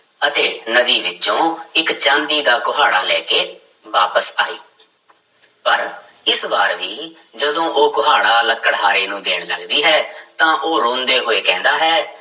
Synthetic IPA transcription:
ət̪eːnəd̪iːʋɪt͡ʃõːɪkt͡ʃãːnd̪iːd̪aːkʊɦaːɽaːlɛːkeː | ʋaːpəsaːiː | pəɾ | ɪsbaːɾʋiː | d͡ʒəd̪õːʔoːkʊɦaːɽaːləkːəɽɦaːɾeːnũːd̪eːɳ̃ləɡd̪iːɦɛːt̪ãːʔoːɾõːnd̪eːɦoːeːkɛ̃ːnd̪aːɦɛː

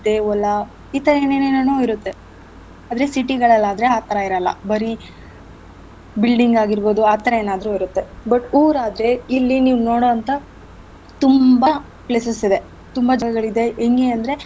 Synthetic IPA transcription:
d̪eɔlːɐ | iːt̪ɐɾɐeneːneːnonuːiɾut̪ːe̞ | aːd̪ɾe̞siʈiɡɐɭɐlːaːd̪ɐɾe̞aːt̪ʰɐɾɐiɾɐlːɐ̰bɐɾi | bilɖiŋɡaːɡiɾbo̞ːd̪uaːt̪ɐɾɐe̞ːnaːd̪ɾuiɾut̪ːe̞bɐʈuːɾaːd̪ɾe̞ilːiniːʋunoːɽoɐnt̪ɐ | t̪umbɐ | pɭesɐsid̪e̞ | t̪umbɐd͡ʒɐɡɐɡɐɭid̪e̞ʔːŋɡeɐnd̪ɾe̞

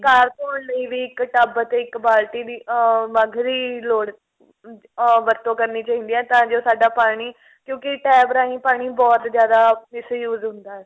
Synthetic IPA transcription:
kaːɾpoːnləiːʋiːɪkʈəbət̪eːɪkbaːlʈiːd̪iːməɡʱɾiːloːɽ | ʋəɾt̪õːkəɾniːt͡ʃaːɦĩːnd̪iːɛːt̪ãːd͡ʒoːsaːɖaːpaːɽ̃iː | kjõːkɪʈɛːbɾaːĩːpaːɽ̃iːbɔːt̪d͡ʒjaːd̪aːmɪsjuːzɦʊ̃nd̪aːɛː

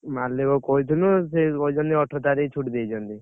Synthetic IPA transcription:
malːekɔkɔit̪ʰunusekɔd͡ʒɔnt̪iɔʈʰɔt̪aɾit͡ʃʰuʈd̪ejd͡ʒɔnd̪i

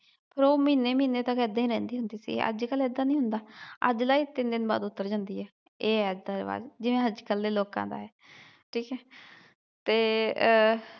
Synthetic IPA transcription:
pʰəɾoːmiːneːmĩːneːt̪əkɛːd̪ẽiːɾɛ̃ːnd̪iːɦʊnd̪iːsḭːə̰d͡ʒkəlɛːd̪aːnĩɦʊnd̪aːə̰d͡ʒlaːiːt̪ɪnd̪ɪnba̰ːd̪ʊt̪ːəɾd͡ʒãːnd̪iːɦɛː | eːɛːəd͡ʒd̪aːɾʋa̰ːd͡ʒd͡ʒɪʋẽːɦəd͡ʒkəlːeːloːkã̰ːd̪a̰ːɦɛː | ʈʰiːkɛː | t̪eː

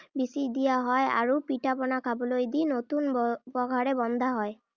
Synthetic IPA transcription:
bisid̪ijaɦɔja̰ɹupitapɔnakʰabɔlojd̪inot̪unbɔɡʱaɹɛbɔnd̪ʱaɦɔj

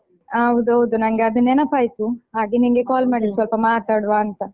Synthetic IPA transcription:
ɐʋud̪uɦɐʋud̪unɐŋɡeɐd̪ɐnːeːnɐpːaːjt̪uɦaːɡenimɡekaːlmaːɽid̪sʋɐlpɐmaːt̪aːɽʋaːnt̪ɐ

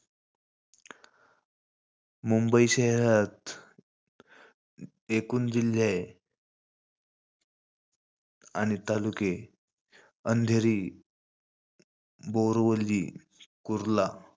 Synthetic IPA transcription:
mumbəiɕeɦɾat̪ | ekuːnd͡ʑilːja | aɽ̃it̪aluke | ənd̪ʱeɾiː | bowɾʋəliː | kuɾla

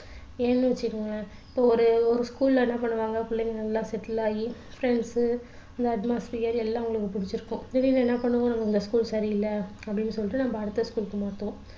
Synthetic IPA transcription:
eːnːɯʋɐt͡ʃːɯkːɯŋɡɐla | ɪpːoːɔɾɯɔɾɯskuːllɐ̃ɛnːɐpɐɳːɯʋaːŋɡɐkʊɭːɛŋɡɐnɐlːãːsɛʈːɪlaːji | fɾɛɳɖs | ɐnd̪ɐɐʈmaːspijɐɾɛlːãʊŋɡɐɭɯkːɯpʊɽɪt͡ʃːɪɾɯkːʊ̃ɛʋinɐɛnːɐpɐɳːɯŋõnɐmːɐɪnd̪ɐskuːlsɐɾiɪlːɐɐpːɐɽɪnːɯsɔlːɪʈːɯnɐmbɐːɽɯt̪ːɐskuːlkːɯmaːt̪ːõ

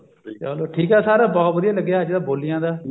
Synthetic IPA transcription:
t͡ʃɛːloːʈʰiːkɛːsaːɾaːbɔːt̪bəd̪ijãːləɡːjaːɦəd͡ʒd̪aːboːlɪjãːd̪aː

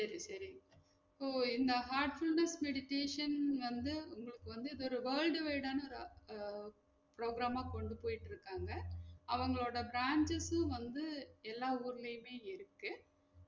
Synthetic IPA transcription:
sɐɾisɐɾɪŋɡɐ | poːɪnd̪ɐɦaːɾʈfʊlnɐsmɛɽɪʈeːʂɐnʋɐnd̪ɯʊŋɡɐɭɯkːɯʋɐnd̪ɯɪðɯɔɾɯʋɐːlɖɯʋeːɽaːnɐɔɾɯ | pɾoːɡɾaːmaːkɔɳɖɯpoːjɪʈːɪɾɯkːaːŋɡɐɐʋɐŋɡɐɭoːɽɐbɾaːɲt͡ʃɐsʋɐnd̪ɯɛlːaːuːɾɐlɐjɯmeːɪɾɯkːɯ

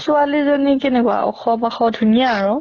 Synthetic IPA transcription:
sʊalizɔnikɛnɛkʊa̰ʔɔ̰xɔbaxɔdʱunijaːɹɔ̃

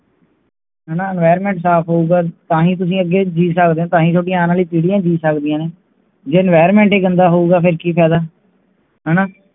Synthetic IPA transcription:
ɦɛːnaːənʋaːjɾmẽːɳʈsaːpʰɦoːuːɡaːt̪ãːɦĩːt̪̬ʊs̬ĩːəɡːeːd͡ʒiːsək̚d̪ẽːt̪ãːɦĩːt͡ʃʰoːʈijãaːnãːliːt̪iːɽijãːd͡ʒiːsəkd̪ijãːneː | d͡ʒeːənʋaːɾmẽːɳʈeːɡənd̪aːɦoːuːɡaːpʰɪɾkiːpʰɛːd̪aː | ɦɛːnaː

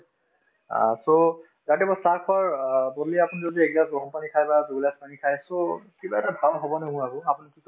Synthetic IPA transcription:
a̰so | datɛbɔsakʰɔaɹbɔdliapʊnizodieɡaɡɔɔmpanikʰajbazuɡlaspanikʰajsokibaɛtabʱalɦɔbɔnɛʊ̃aɡʊ̃apunikit

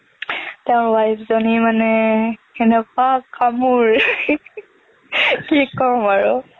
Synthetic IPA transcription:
tɛʊ̃wajpʰzonimanɛ | enɛkakʰamuɹ | kikɔɹmaɹʊ

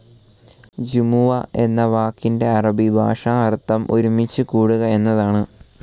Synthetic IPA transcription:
d͡ʑimuʋɐe̞nːɐʋaːkːinde̞ɐrɐbʱibʱa̰ːʂɐɐrt̪ːɐmʔoɾumit͡ɕːɨkuːɽuɣɐe̞nːɐðaːɳɨ

